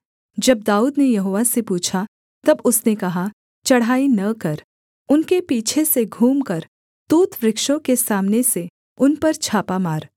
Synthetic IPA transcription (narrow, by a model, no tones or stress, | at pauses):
d͡ʒɐb̚d̪aːuːd̪nejɐɦoːʋasepuːt͡ʃʰa | t̪ɐbʊsnekɐɦa | t͡ʃɐɽ̤aːinɐkɐɾ | ʊnkepiːt͡ʃʰeseɡʱuːmkɐɾ | t̪uːt̪ʋɾɪkʃõkesaːmnese | ʊnpɐɾt͡ʃʰaːpamaːɾ